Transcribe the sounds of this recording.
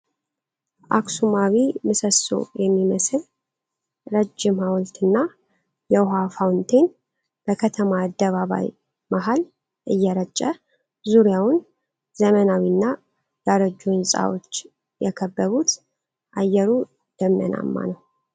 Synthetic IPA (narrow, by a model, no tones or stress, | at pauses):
ʔa̰ksumawimɨsəso̞̰jɛmːiməsɨl | ɾəd͡ʒːɪmhawlt̪ʰɨnːa | jɛɦafawnt̪ʰe̞n | b̥əkʰət̪ʰəmaːd̪ːəβaβa̰j | maɦal | ʔɨjːɛɾət͡ʃʼːə | zuɾjawn | zəmənawinːa | jaɾəd͡ʒunsʼa̰wot͡ʃː | jɛkʰəbːəβut̪ | ʔajːɛɾu | d̪̥əmnə̰na̰mːa̰nəw